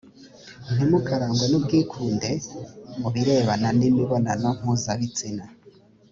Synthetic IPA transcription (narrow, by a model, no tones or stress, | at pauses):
n̥imukaɾaːŋɡwenub̚ɡiːkʰuːnde̞muβiɾeβananimiβonanaŋ̥huzaβit͡sina